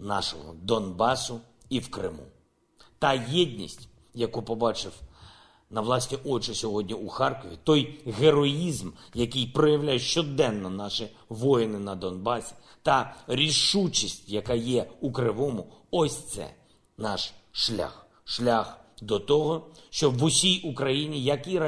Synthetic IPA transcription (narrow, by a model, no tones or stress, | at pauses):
nɑ̰ʃɔ̰ɦɔ̰d̪ɔnbɑsʊ | iwkɾɪ̰mṵ | t̪ɑjɛdʲnʲḭsʲtʲ | jɐkupɔbɑt͡ʃɪw | nɐʋlˠɑsʲnʲiʔɔt͡ʃɔsʲɔɦɔdʲnʲiuxɑrkɔʋʲit̪ɔjɦeɾɔjizmjɐkɪjpɾɔjɐwlʲajʊʃt͡ʃɔd̪ɛnːɔnɑʃi | ʋɔjɪnɪnɐd̪ɔnbɑsʲi̥ | t̪ɐɾʲiʃut͡ʃisʲtʲjɐkɑjɛukɾɪʋɔmʊɔsʲt̪sɛ̰ | nɑʃʃlʲa̰x | ʃlʲaxd̪ɔt̪ɔɦɔʃt͡ʃɔbʋʊsʲijukɾɐjinʲijɐkiɐ